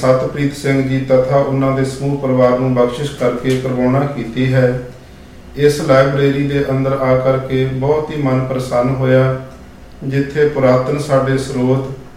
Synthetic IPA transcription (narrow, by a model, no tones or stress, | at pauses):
sət̪pɾiːt̪sɪŋɡd͡ʒiːt̪ət̪ʰaːʔʊnːãːd̪eːsəmuːpɾəʋaːɾnũːbəkʃɪʃkəɾkeːpɾəboːɳ̃ãːkiːt̪iːɦɛː | ɪslaːɪbɾeːɾiːd̪eːʔənd̪əɾaːkəɾkeːbɔːt̪ɦiːmənpɾəsənɦoːjaː | d͡ʒɪt̪ʰːeːpʊɾaːt̪ənsaːɖeːsɾuːt̪